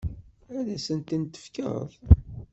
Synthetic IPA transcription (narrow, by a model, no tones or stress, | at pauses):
æðæsənt̪ənt̪ə̥fkə̰ɾθ